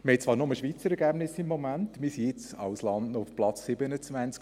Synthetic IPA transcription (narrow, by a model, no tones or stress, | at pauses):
məhɛt̚t͡sʋɑːɾnoməʃʋiːt͡səɾɛɡæb̥nɪsɪmːɔmæntmɪsijɪt͡sɑʊslɑndnɔʊfplɑt͡sːɪbənət͡svænt͡sk